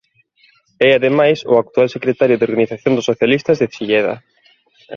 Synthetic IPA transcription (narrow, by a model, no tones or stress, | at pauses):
ɛaðemajsʊ̰ak̚t̪ualsekɾet̪aɾjʊðoɾɣaniθaθjond̪ʊsoθjalist̪ɐzðet͡ʃiʎɛðɐ̰